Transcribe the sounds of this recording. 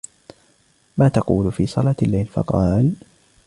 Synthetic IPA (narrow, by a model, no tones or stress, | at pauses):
maːt̪ɑquːlfiːsˤɑlaːt̪alːajlfɑ̰qɑːl